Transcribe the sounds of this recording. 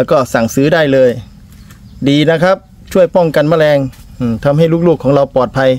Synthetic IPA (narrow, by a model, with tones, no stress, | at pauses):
lɛ˧˩wkɔː˥˩sa˨˩ŋsɯː˨˦daː˥˩jlɤː˧j | diː˨na˦˥kʰa˦˥p̚ | t͡ɕʰu˥˩əjpɔ˥˩ŋka˧˨nmaː˧˥˩lɛː˧ŋ | ʔɯː˧˩t̪ʰa˧mɦa˥˩jluː˥˩k̚luː˥˩kʰːɔː˩˦ŋɾa˧wpɔː˨˩t̪̚pʰa˧j